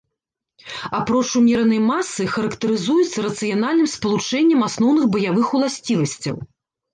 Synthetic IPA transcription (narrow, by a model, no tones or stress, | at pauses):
apɾɔt͡ʂumʲɛɾɐnɐjmasːɨxɐɾɐkt̪ɐɾɨzujut̪sːɐɾɐt̪sɨjanalʲnɨmspɐlˠut͡ʂɛnʲːɐmasnɔwn̪ɨɣbɐjavɨxulˠasʲt͡sʲivɐsʲt͡sʲːɐ̰w